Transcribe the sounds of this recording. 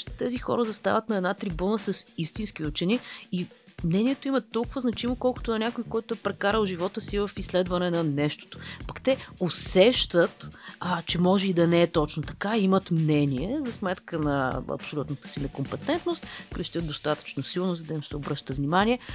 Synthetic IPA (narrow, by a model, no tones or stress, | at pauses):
t̪t̪ɛzixɔ̰ɾəzɐst̪a̰vɐt̪nɐɛd̪nat̪ɾibunəsəsist̪inskiʊt͡ʃɛnii | mnɛniɛt̪oimət̪ːɔlˠkʊvəznɐt͡ʃimokɔlˠkʊ̥t̪oɐnʲakoikɔjt̪oɛpɾɛkaɾəlˠʒivɔt̪əsivəfislɛd̪vɐnɛnɐnɛʃt̪o̥t̪o̥pɐkt̪ɛosɛʃt̪ət̪t͡ʃɛmɔʒɛid̪ɐnɛːt̪ɔt͡ʃnot̪ɐ̥kaimət̪mnɛniɛzɐsmɛt̪kənɐɐ̰psolʲut̪nət̪ə̥sinɐkompɛt̪ɛnt̪nost̪kɾəʃt̪ʲət̪ːost̪at̪ə̥t͡ʃnosilˠnozɐd̪ɐimsɛobɾɤʃt̪əvnimanʲiɛ